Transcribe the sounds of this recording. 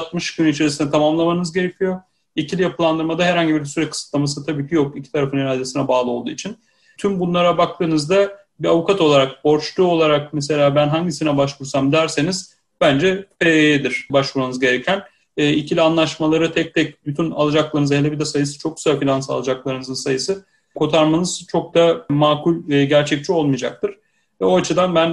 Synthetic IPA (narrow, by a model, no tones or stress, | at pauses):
t̪mɯʃkyniit͡ʃʰe̞ɾisinɛt̪ʰamamlˠamanɯzɟe̞ɾe̞cʰijo̞ | icʰilʲijapʰɯlˠand̪ɯɾmad̪aɦɛɾhaɲɟibiɾsyɾɛc̚ʲkʰɯ̥sɯ̥t̪lˠamasɯt̪ʰabiːcʰijo̞kicʰi̥t̪ʰaɾafɯniɾaːd̪e̞sinɛbaːlˠɯo̞lˠd̪uːit͡ʃʰin | t̪ʰymbunlˠaɾabak̚t̪ʰɯːnɯzd̪a | biavukʰat̪o̞lˠaɾak̚bo̞ɾt͡ʃlˠuo̞lˠaɾak̚mese̞lʲaːbænɦaɲɟisinɛbaʃvuɾsamd̪æɾse̞niz | bænd͡ʒɛeejɛd̪iɾ̥baʃvuɾmanɯzɟe̞ɾɛcʰænː | icʰilʲianlˠaʃmalˠaɾɯt̪ʰɛc̚t̪ʰɛc̚byt̪ʰyna̰lˠad͡ʒaklˠaɾɯnɯzɦelʲebid̪ɛsajɯsɯ̥t͡ʃʰo̞k̚y̥z̥afilʲansa̰lˠad͡ʒaklˠaɾɯnɯzɯnsajɯsɯ | kʰo̞t̪ʰaɾmanɯz̥t͡ʃʰo̞k̚d̪amaːkulʲɟæɾt͡ʃʰɛc̚t͡ʃʰio̞lˠmijd͡ʒak̚t̪ʰɯɾ̥ | vɛo̞at͡ʃʰɯd̪anbæn